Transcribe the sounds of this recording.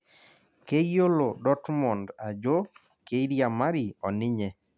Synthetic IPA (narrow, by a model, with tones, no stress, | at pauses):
ke˦jo˦lo˨dɔ˦tmɔ˨nda˨d͡ʒo˦ | ke˦i˦ɾja˨ma˦ɾi˨ɔ˨nɪ˦ɲɛ˨